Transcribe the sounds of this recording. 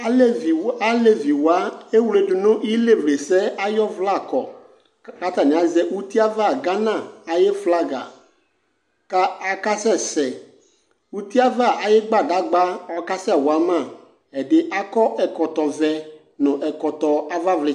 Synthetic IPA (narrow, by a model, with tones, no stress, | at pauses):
a˦le˦vi˨wa˦e˦wle˨dʊ˨nʊ̃˦i˦le˦vle˨sɛ˦a˦jɔ˦vla˦˨kɔ˨ | ka˦t̪a˨nɪ̃˨a˨zɛ˦ʔu˦t̪i˦a˦va˦˨ɡa˦nã˦˨a˨jɪ˦fla˦ɡa̰˨ | ka˦a˨ka˦sɛ˦˨sɛ˨ | u˦t̪i˦a˦va˦˨ʔa˨jɪ˦ɡ͡ba˦˨da˦ɡ͡ba˦ɔ˨ka˦sɛ˦˨wɔ˨a˦mã˦˨ | ɛ˨dɪ˦ʔa˦kɔ˦ʔɛ˨kɔ˨t̪ɔ˨vɛ˦ | nʊ̃˨ʔɛ˨kɔ˨t̪ɔ˨a˦va˦vlɪ˨